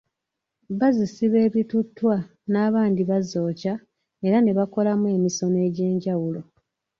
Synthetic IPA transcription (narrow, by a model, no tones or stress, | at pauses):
βazisiβe̞ːβjitutːwa | naːβaːndiβazo̞ːca | e̞ɾane̞βako̞lamue̞miso̞ne̞ːɟe̞ːɲɟawulo̞